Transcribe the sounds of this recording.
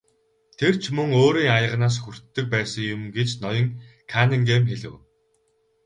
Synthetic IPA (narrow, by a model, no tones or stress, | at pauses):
t̪ʰer̥t͡ɕʰmɵŋoːɾiːŋajə̆ʁnaːs̬xur̥t̪ːɵ̆k̚pæːsə̆ŋjʊmɡet͡ɕnɔjɞ̆ŋkʰanĭŋɡeːmxeɮɘ̆w